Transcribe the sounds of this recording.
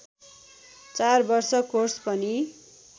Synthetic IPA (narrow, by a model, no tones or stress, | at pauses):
t͡sarbʌrsʌkorspʌni